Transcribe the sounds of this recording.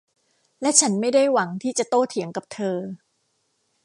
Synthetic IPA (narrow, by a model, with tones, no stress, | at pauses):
lɛ˦˥t͡ɕʰa˦˥nma˥˩jda˥˩jwa˩˦ŋt̪ʰiː˥˩t͡ɕa˨˩t̪oː˥˩t̪ʰi˩˦əŋka˨˩p̚t̪ʰɤː˧